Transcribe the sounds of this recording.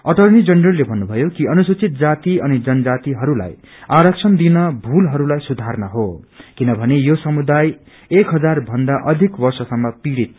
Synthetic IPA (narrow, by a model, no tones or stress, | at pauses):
ʌʈʌrnid͡zʌndrʌlːebʱʌnːubʱʌjokiʌnusut͡sit̪̚d͡zat̪iʌnid͡zʌnʌd͡zat̪iɦʌɾula̰j | aɾʌk̚t͡sʰʌnd̪inʌbʱulɦʌɾulajsud̪ʱarnʌɦokinʌbʱʌnejosʌmud̪aj | ekɦʌd͡zarbʱʌnd̪aʔʌd̪ʱikbʌrsʌsʌmːʌpiɽit̪̚